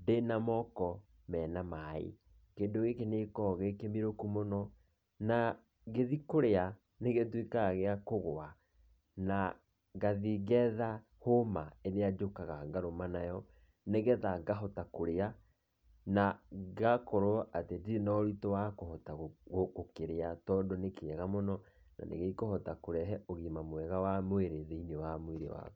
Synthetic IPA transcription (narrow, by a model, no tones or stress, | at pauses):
denamɔkɔ | mɛːnamaḭ | keːndoɣekenekɔɣekemiɾokumonɔ | na | ɣeðikoɾea | neɣetwikaɣeakoɣoa | na | ɡaðiɣɛða | homaenead͡ʒokaɣaɡaɾomanajɔ | neɣɛðaŋɡaɦɔtakoɾea | naɣakɔɾoɔʔatedienɔɾitowakoɦɔtaɣɣoɣokeɾeatɔdonekeɛɣamonɔ | na̰nʔḛɣeikohɔtakoɾɛɦɛoɣimamoɛɣawamweɾeðeinewamweɾḛwa̰ɣ